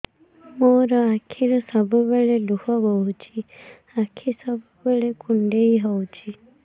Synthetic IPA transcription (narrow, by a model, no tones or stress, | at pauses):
moɾɔakʰiɾɔsɔbubeɭeluhɔɡɔut͡ʃʰi | akʰisɔbubeɭekuɳɖeiɦowt͡ʃʰi